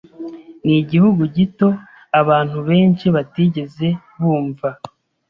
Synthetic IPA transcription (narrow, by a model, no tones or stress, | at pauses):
niɟihuɡuɟito̞ | aβaːn̥huβe̞ːnt͡ʃiβatiɟe̞ze̞ | βuːɱva